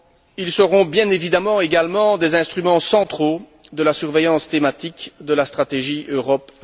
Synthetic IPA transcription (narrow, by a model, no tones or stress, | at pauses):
ilsəʁɔ̃bjɛ̃nevid̪amɑ̃eɡalmɑ̃d̪ezɛ̃st̪χymɑ̃sɑ̃t̪χo | d̪əlasyʁvejɑ̃st̪emat̪ikd̪əlast̪χat̪eʒiøʁɔp